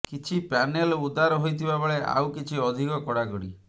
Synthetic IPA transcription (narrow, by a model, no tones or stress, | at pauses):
kit͡ʃʰipanelɔud̪aɾɔɦojt̪ʰibabɔɭeʔa̰wkit͡ʃʰiɔd̪ʱikɔkɔɽakɔɽḭ